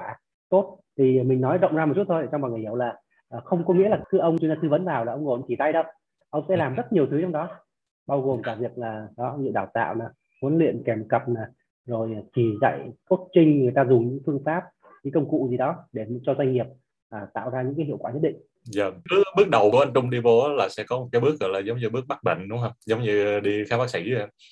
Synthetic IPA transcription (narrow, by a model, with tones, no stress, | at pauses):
aː˧˩ | t̪o˦˥t̚t̪ʰi˨˩mï˨˩ŋ̟nɔ˨˦jɗə̰˧˨wŋ͡mza˧o˨˩t͡ɕu˦˥t̚tʰo˧jt͡ɕɔ˧ŋ͡mmaː˨˩jŋ˨˩˨hə˨wlaː˨˩ | ʔəː˨˩xə˧wŋ͡mkɔ˨˦ŋḭ˧˥laː˨˩kɨ˨˦ʔə˧wŋ͡mt͡ɕnzaː˧t̪ɨ˧˩və˨˦nvaː˨˩wlaː˨˩ʔə˧wŋ͡mŋo˨˩˨t͡ɕi˧˩t̪a˧jɗə˧w | ʔə˧wŋ͡msɛ̰˧˥laː˨˩mzə˦˥t̚ɲi˨˩əwt̪ʰɨ˨˦t͡ɕɔ˧wŋ͡mɗɔ˨˦ | ɓaː˧wɣo˨˩mkaː˨˩vi˨˩ək̚laː˨˩ɗɔ˨˦zɨ̰˧˨ɗaː˧˩wt̪a̰ː˧˨wnaː˨˩ | mu˨˦ənlwḭ˧˨ənkɛ˨˩mkə˨˩p̚naː˨˩ | zo˨˩jt͡ɕi˨˩za̰˧˨jko˦˥t̚t͡ɕï˧ŋ̟ŋɨ˨˩jt̪aː˧zʊ˨˩ŋ͡mɲɨ̰˧˥ŋfɨ˧əŋfaː˦˥p̚ | ɲɨ˧˥˦ŋkə˧wŋ͡mkṵ˧˨zi˨˩ɗɔ˨˦ɗe˧˩˨t͡ɕɔ˧zwa˧jŋ̟ŋi˨˩əp̚ | ʔaː˨˩t̪a̰ː˧˨wzaː˧ɲɨ̰˧˥ŋkaː˨˦ɦḭ˧˨wkwaː˧˩ɲə˦˥t̚ɗḭ˧˨ŋ | zə̰˧˨ɓɨ˦˥əkɓɨ˦˥ək̚ɗə˨˩wku˧˩˦ʔə˨˧nt͡ɕʊ˧ŋ͡mɗi˧vo˨˦laː˨˩sɛ̰˧˥kɔ˨˦mo˨˩t̚ka˨˦ɓɨ˦˥ək̚ɣɔ̰˧˨jlaː˨˩zə˨˦wŋ͡mɲɨ˧ɓɨ˦˥ək̚ɓa˦˥k̚ɓə̰˧˨ŋ̟ɗʊ˨˦ŋ͡mɦə˧wŋ͡mzə˨˦wŋ͡mɲɨ˧ɗi˧xaː˦mɓaː˦˥k̚si˧˩j